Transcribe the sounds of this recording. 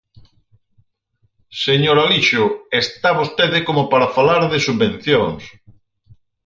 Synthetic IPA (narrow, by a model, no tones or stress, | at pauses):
seɲoɾaliʃʊest̪aβost̪eðɪkomopaɾafalaɾðesuββẽn̟θjoŋs